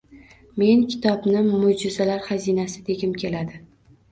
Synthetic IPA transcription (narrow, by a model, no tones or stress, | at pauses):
me̞nkʲʰɪ̥t̪ʰɒbnɪmʊd͡ʒɪzalaɾχazinasɪd̪eɡʲɪmkʲʰe̞lad̪ɪ